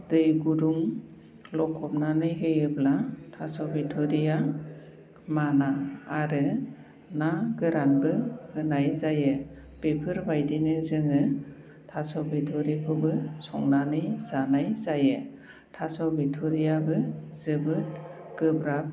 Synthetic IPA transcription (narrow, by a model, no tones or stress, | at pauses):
dɯjɡuduŋ | lɔkʰːɔp̚nanɯjɦɯjɯblatʰasɔbitʰɔɾija | manaːɾɯ | naɡɯɾanbɯhɯnajzajɯ | b̥epʰɯɾbajdinɯzɯŋɯ | tʰasɔbetʰɔɾikʰɯbɯsɔ̰ŋnanɯjzanajzajɯ | tʰasɔbitʰɔɾijabɯzɯbɯt | ɡ̥ɯbɾap̚